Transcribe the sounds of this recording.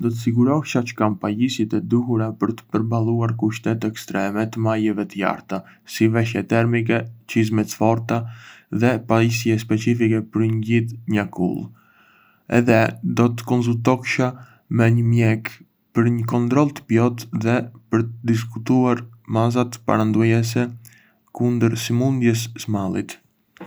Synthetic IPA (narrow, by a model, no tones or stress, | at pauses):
d̪ɔt̪əsiɡuɾɔkʃat͡ʃə̥kampajisit̪ɛd̪uhuɾapəɾt̪ə̥pəɾbalˠuaɾkuʃt̪ɛt̪ɛkst̪ɾɛmɛt̪əmajɛvɛt̪əja̰ɾt̪a | sivɛʃ̬jɛt̪ɛɾmik̬ɛt͡ʃizmɛt͡sfɔɾt̪aðɛpaisiɛspɛt͡sifikɛpəɾɲɟitɲakṵlˠ | ɛ̰ðɛd̪ɔt̪ə̥kɔns̬ult̪ɔkʃa | mɛɲəmjɛk | pəɾɲəkɔnt̪ɾɔlˠt̪ə̥pjɔt̪ðɛpəɾt̪əd̪is̬kut̪uaɾmaz̬at̪əpa̰ɾand̪ujɛs̬ɛ | kund̪əɾsimund̪jɛssmalˠḭt̪